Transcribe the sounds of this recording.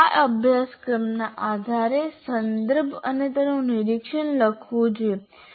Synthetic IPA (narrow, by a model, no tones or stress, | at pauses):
aʔəbʱjaskɾəmnaʔad̪ʱaɾesənd̪əɾbʱə̰net̪ənũnɪɾikʃənləkʰʋũt͡ʃʰe